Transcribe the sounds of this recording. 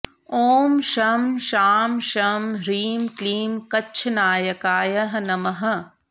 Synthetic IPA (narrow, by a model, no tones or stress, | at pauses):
oːmʃɐmʃaːmʃɐmɾiːmkliːmkɐːt͡ʃʰɐnaːjɐkaːjɐɦɐnɐmɐɦɐ̆